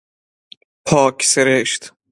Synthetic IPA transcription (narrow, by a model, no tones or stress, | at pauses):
pʰɒːkʰseɾeʃt̪